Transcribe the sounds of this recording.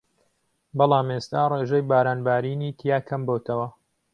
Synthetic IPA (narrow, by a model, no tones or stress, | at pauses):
bɑlˠɑːmest̪aːreːʒɐjbaːɾaːnbaːɾiːniːt̪ʰijaːkʰɐmbot̪ʰɐwɐ